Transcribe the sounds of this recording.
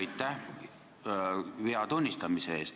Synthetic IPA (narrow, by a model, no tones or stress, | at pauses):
jt̪ːˑæh | viɑt̪unʲːist̪ɑmiseeːst̪